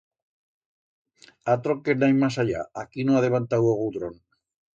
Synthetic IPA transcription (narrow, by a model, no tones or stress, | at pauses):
at̪ɾokenajmasaʎa̰akinoaðeβant̪awoɣuðɾon